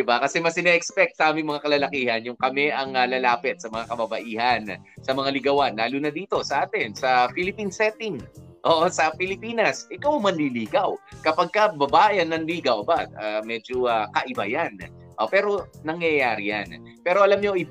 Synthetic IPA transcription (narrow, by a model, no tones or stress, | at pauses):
d̪ɪbakɐsɛmɐsɪnɛʔɛkspɛk̚t̪̚sɐʔaːmɪŋmɐŋakɐlalɐkiːhɐnjʊŋkɐmɛʔɐŋalɐlaːpɪt̪̚sɐmɐŋakɐbɐbɐʔiːhɐn | sɐmɐŋalɪɡɐwanlaːlunɐd̪iːt̪o̞sɐʔaːt̪ɪnsɐpɪlɪpinsɛt̪ɪŋ | ʔoʔsɐpɪlɪpiːnɐsʔɪkawɐŋmɐnliliːɡɐwkɐpɐɡ̚kɐbɐbaːjɐnːɐŋliːɡɐwʔɐbaamɛd͡ʒoakɐʔɪba̰jan | ʔopɛːɾo̞nɐŋjɐjaːɾɪja̰n | pɛːɾo̞ʔɐlamɲo̞ʔɪ